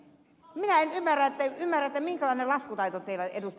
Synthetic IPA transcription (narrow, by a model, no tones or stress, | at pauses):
minæenymːærːæet̪ːæymːærːæet̪ːæmiŋkælɑˑĭnelɑskut̪ɑit̪ot̪eilːæḛd̪ust̪